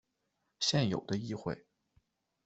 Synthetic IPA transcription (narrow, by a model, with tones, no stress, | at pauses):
ɕjɛ˥˩njo˨˩ʊd̪ə˦i˥˧xwḛ˥˩ɪ